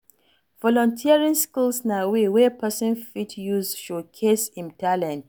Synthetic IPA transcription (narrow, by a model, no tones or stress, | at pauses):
vɔlɔ̃ntʰiaɹĩnskulsnawewɛpʰɛsɔ̃nfitʰjuzʃokʰesĩntʰalɛ̃nt